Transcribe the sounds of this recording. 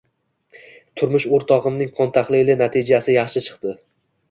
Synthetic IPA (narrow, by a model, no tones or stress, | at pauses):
t̪ʰʊɾmʊʃoɾt̪ʰɒʁɨmnɪŋqʰɒnt̪ʰaχlˠɪlɪnat̪ʰɪd͡ʒasɪjɑχʃɪt͡ʃʰɨ̥qt̪ɪ